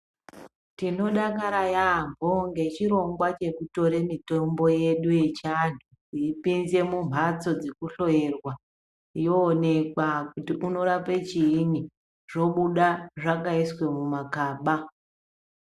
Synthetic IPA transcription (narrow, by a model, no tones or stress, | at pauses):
tino̞ɗakaɾajambʱoŋɡe̞t͡ʃiɾo̞ŋɡwat͡ʃe̞kuto̞ɾe̞mito̞mbo̞je̞ɗuje̞t͡ʃanʱu | iipinze̞mum̤ʱat͡so̞d͡zekuɬo̞jerwa | ijoːne̞kwakutiʔuno̞ɾapet͡ʃiːni | ʐ̥o̞ɓuɗaʐakaiswe̞mumakaːɓa